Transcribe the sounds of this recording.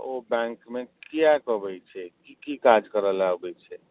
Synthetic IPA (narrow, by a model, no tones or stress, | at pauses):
obɛ̃ŋkmekijakəbɛjt͡ʃʰɛkikikad͡ʒkəɾəlaɡɛt͡ʃʰɛ